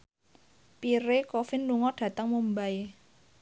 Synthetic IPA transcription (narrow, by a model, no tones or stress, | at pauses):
piɾekofɪnluŋɔɖ̥ä̤t̪əŋmumbae